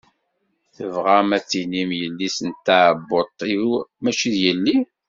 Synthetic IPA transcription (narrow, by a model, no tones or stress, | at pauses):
θəvʁæmæt͡sːinimjəlːisənt̪ːaʕbːot̪ˤːiumæʃiðjəlːi